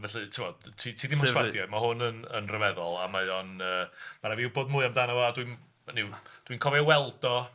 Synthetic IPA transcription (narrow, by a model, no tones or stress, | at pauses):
vɛɬɨtʰɪmɔ̥tʰitʰiːdimɔswadjɔmaɦʊnənə̰nrəvɛðɔlˠamajɔnəːmaɾaviwboːdmʊːɨamdanavɔadwin | nɪwd̥winkʰɔvɛwɛlˠdɔ